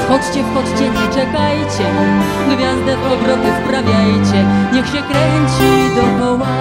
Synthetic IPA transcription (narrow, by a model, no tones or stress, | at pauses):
pɔt͡ʂt͡ɕɛfpɔt͡ʂt͡ɕɛɲɛt͡ʂɛkajt͡ɕɛ | ɡvʲjazd̪ɛɔbɾɔt̪ɨfpɾavʲjajt͡ɕɛɲɛxɕɛkɾɛɲt͡ɕid̪ɔkɔwa